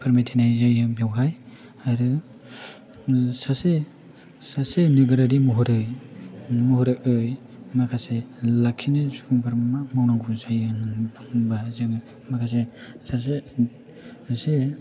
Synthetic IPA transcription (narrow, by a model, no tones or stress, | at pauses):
pʰaɾmajtʰinajzajɯbawɦaj | aɾɯ | sase | sasenɯɡɯɾaɾimuɦuɾɯj | muhɔɾɯɯj | makʰaselakʰinɯsuŋbʰaɾmamawnaŋɡuzajɯnbaŋbazɯŋɯ | makʰas̬esas̬e | se